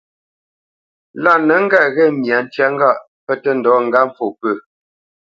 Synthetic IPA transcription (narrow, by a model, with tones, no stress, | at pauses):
la˦˨nə˨˦ŋ̩˦ɡɛ˦˨ɣɛ˦˨mja˨n̩˦tja˦ŋ̩˦ɡa˦˨ʔ | pə˦tə˦n̩˨dɔː˨˦ŋ̩˨ɡa˦ɱ˦fo˨pə˦˨